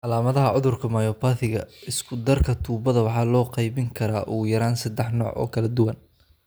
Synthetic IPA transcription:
ʔɑlaːmɐðɐɦɐʕʊðʊrkʰɐmɐjɔːpʰaːθɪɣɐɪskʰʊd̪ɐrkʰɐt̪ʰuːbɐðɐwɑħɑːlɔːqɑjβɪŋkʰɐɾaːʔuːjɐɾaːnsɐd̪ɛħnɔ̰ːʕʔɔ̰ːkʰɐlɐd̪ʊwɐn

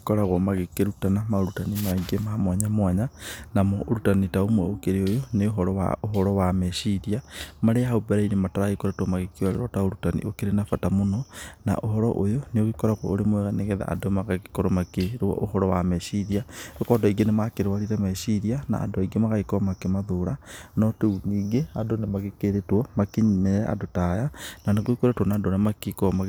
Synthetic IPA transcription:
kɔɾaɣɔmaɣekeɾutanamaoɾutanimaiɡemamwaɲamwaɲanamooɾutanitaomwɛokeɾeojoneoɦɔɾɔwa̰oɦɔɾɔwamɛʃiɾiamaɾeaɦaubɛɾainemataɾaɣekoɾatwɔmaɣekewaɾḛɾɔtaoɾutanḭʔokeɾenafatamonɔna̰ʔoɦɔɾɔ̰ʔojoneoɣikoɾakwɔ̰oɾemoɛɣaneɣeða̰a̰domaɣaki̥koɾɔmakeɾwɔ̰ʔohɔɾɔwamɛʃiɾiaokɔdɔiɡenemakeɾwaɾiɾɛmɛʃiɾiana̰ːdoaiɡemaɣaikɔmakemaðoɾanɔteuniɡeadonemaɣekeɾetwɔmakeɲmeɛa̰dotajananeɣoikoɾetwɔnaːdonemakikɔma

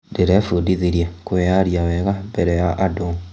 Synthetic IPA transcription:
deɾefudiðiɾjakweaɾjawɛɣabɛɾɛjaʔadoŋ

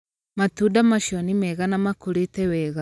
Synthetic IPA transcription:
matudamaʃjɔnimɛɣanamakoɾetɛwɛːɣa

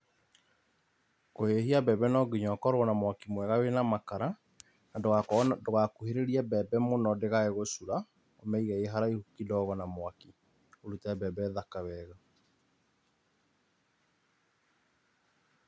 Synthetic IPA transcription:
kohehiabɛbɛnɔɡiɲɔkɔɾwɔnamwakimwɛɣawenamakaɾa | nadoadoɣakuheɾeɾiabɛbɛmonɔdeɣaeɣosuɾa | omɛiɣɛeɦaɾaihukidɔːɣɔnamwaki | oɾutabɛbɛðakawɛɣa

